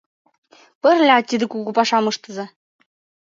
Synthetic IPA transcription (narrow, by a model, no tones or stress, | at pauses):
pɘ̆rʲlʲɑt̪ʲːid̪ɘ̆kuɣupɑʃɑmɤ̆ʃt̪ɤ̆zɤ̆